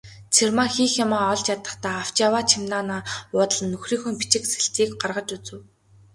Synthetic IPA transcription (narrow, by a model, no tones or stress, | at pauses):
t͡sʰermaxiːxjamaːɔɮt͡ɕjat̪ə̆χt̪aːaw̥t͡ɕjawaːt͡ɕʰimnaːnaːʊːt̪ə̆ɮə̆nːɵxriːŋxunpit͡ɕɪ̆kse̥ɬt̪iːkɢarʁə̆t͡ɕut͡sɘ̆w